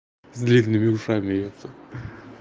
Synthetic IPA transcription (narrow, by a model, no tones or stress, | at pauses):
zd̪lʲinnːɨmʲɪuʂamʲɪjot̪sə